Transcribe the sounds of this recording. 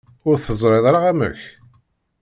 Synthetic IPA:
ʊɾθəzˤɾˤeðˤɾaʁæmə̰ç

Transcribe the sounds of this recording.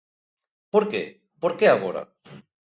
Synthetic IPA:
poɾkḛ | poɾkeaɣoɾa̰

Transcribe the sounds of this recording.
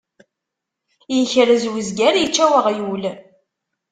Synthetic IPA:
jəçɾəzwizɡæɾjət͡ʃːæwəʁjul

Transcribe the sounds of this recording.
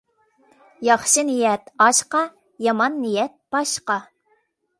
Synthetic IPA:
jɑχʃɨnijɛt̪ɑʃqɑ | jɑmɑnːijɛt̪̚b̥ɑʃqɑ

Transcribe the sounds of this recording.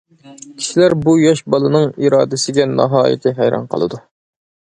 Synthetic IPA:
kʲʰi̥ʃilæɾbujɑʃbɑlˠɨnɨŋiɾɑːd̪ɪsɪɡʲɛnɑɦɑːjɪ̰t̪ʰɪɦæjɾɑ̰nqʰəlˠɨ̰d̪u

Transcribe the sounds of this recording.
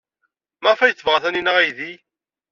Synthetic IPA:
mæfæjt͡sːəvʁaθæninəʁæjði

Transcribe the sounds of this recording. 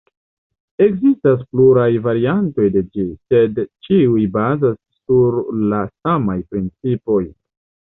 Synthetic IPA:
e̞kzistas̬pluɾajvaɾianto̞jde̞d͡ʒise̞dt͡ʃiujbazasːuɾlasamajpɾint͡sipo̞j

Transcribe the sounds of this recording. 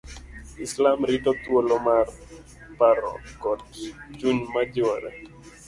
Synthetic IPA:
ɪslamɾitɔt̪wolɔmar | paɾɔ̰kɔt̚ɡɪt͡ʃuɲmad͡ʒɔɾɛ̰

